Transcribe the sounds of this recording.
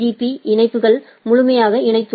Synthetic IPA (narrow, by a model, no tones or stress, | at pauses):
iːpːiʔɪɳɐɪpːɯɣɐɭ | mʊɻʊmɐjaːɣɐɪɳɐɪt̪ːɯ